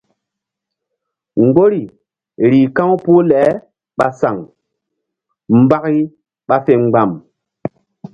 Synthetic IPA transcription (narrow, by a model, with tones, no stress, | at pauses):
ŋ̩˨ɡo˦ɾi˨ | ɾiː˨kã˦ŋ˦pu˦lɛː˨˦ | ɓa˨sa˨ŋ | m̩˦ba˦ki˦ | ɓa˦fe˨ŋ͡mɡ͡ba˨m